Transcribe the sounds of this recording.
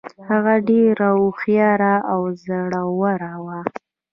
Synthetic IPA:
haɣaɖeɾauxjɑɾaawzaɽawaɾawa

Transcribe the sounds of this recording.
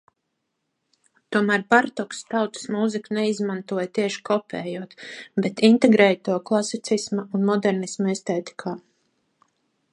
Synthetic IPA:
t̪uɔmæːɾbaɾt̪ɔkst̪awt̪ə̥smuzikunɛizmant̪uɔjt̪iɛʃi̥kʰɔpʲʰɛ̰ːjuɔt̪bet̪int̪eɡɾɛːjt̪uɔklˠasit̪sismaunmɔd̪ɛɾnismɔist̪ɛːt̪i̥kʰaː

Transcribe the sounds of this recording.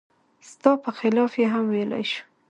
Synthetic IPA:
st̪ɑpəxɪlɑfjeɦamwejla̰jʃu̥

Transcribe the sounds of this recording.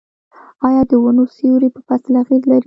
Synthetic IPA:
ɑjɑd̪əwanosiɾepəpaslaɣizlaɾi

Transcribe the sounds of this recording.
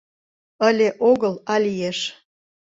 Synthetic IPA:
əlʲeʔoɣəlɑlijeʃ

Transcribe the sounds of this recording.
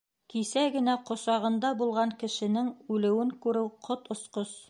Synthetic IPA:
kisæɡɘ̆næqŏsɑʁɤ̆nd̪ɑbulˠʁɑŋkɘ̆ʃɘ̆nɘŋʉlɘ̆wɘŋkʉɾɘwqʰot̪ŏsqos

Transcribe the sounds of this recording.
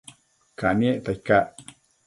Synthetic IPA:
kanieʔt̪ajkaʔ

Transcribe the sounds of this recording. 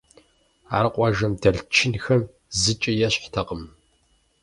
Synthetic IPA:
a̰ːɾɨqʷʼɑʒɐmdɐɮt͡ʃʰɪnxɐm | zɨt͡ʃʼɪjɛɕħtʰɐqʼəm

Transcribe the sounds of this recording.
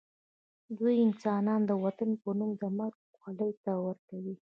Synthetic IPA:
d̪ujɪnsɑnɑnd̪əwat̪anpənumd̪əmaɾɡ | xaləjt̪awəɾkawi

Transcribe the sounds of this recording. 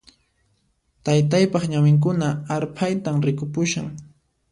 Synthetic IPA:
t̪ajt̪ajpɑχɲawɪŋk̬ʊnaːɾpʰajt̪amɾɪkʊpʊʃaŋ

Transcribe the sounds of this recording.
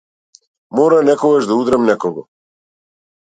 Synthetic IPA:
moɾanɛkoɡaʒd̪aud̪ɾɛmnɛkoɡɔ

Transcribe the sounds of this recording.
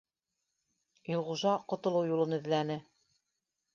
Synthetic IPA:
jŏʁuʒɑqŏt̪ŏlˠɤwjulˠɤnɘ̆ðlænɘ

